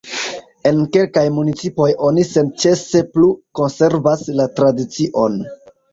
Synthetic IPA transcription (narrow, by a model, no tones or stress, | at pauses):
e̞nke̞lkajmunit͡sipo̞jo̞nise̞nt͡ʃe̞se̞pluko̞nse̞ɾvaslatɾadit͡siʔo̞n